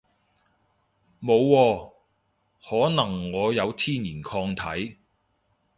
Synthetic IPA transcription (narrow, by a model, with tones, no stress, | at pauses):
mo˨˧wːɔː˧ | hɔː˨˥nɐ˨˩ŋːɔː˨˧jɐ˨˧wt̪ʰiː˥niː˨˩nkʰɔː˧ŋt̪ʰɐ˨˥j